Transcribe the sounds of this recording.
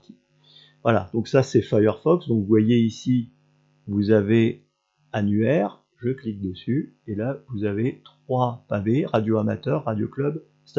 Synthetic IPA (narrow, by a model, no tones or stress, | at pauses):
t̪i | vwala̰d̪ɔ̃ksasɛfajœʁfɔksd̪ɔ̃kvuvwajeisi | vuzave | anyɛʁ | ʒəklik̚d̪əsy | elavuzavet̪χwapaveʁad̪joamat̪œʁːad̪jo̰klœb | st̪